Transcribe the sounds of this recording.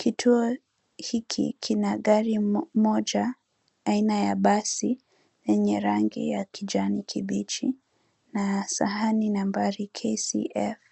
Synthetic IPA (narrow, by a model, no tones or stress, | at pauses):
kʰitʰuɔ | hikʰḭkʰinaɠaɾimɔʄaː | inajaɓasi | jɛɲɛɾaŋɡḭjakiʄanikʰiɓit͡ʃi | nasa̰haninambaɾikʰesḭʔɛf